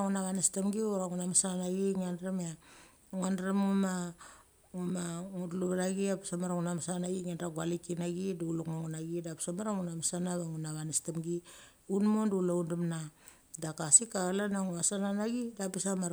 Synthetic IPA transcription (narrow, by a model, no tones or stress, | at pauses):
ŋunaβanestemɡioɾaŋunamasanaɡiŋandɾema | ŋandɾemŋuma | ŋumaŋuduluβanaɡiapisamaɾaŋunamasanaɡiŋandɾaɡwalikinaɡiduulukmoŋunaɡidapi̥samaɾaŋunamasanaβaŋunaβanestemɡi | unmondulaundumna | dakasikalanaŋumasananaɡidapisamaɾ